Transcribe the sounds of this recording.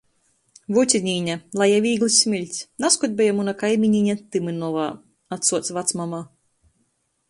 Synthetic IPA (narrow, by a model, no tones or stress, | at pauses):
vut̪ʲinʲiːɲʲalˠajavʲiːɡlˠɨsʲmʲilʲt̪ʲsʲnaskɔd̪̚ʲbʲɛjamunakajmʲiɲʲiɲʲat̪ɨmɨnɔvaː | at̪suɔt̪svat̪smama